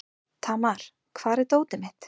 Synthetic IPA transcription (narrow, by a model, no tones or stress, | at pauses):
t̪ʰaːmaɾ̥ | kʰvaːɾɪt̪oːwt̪ɪmɪht̪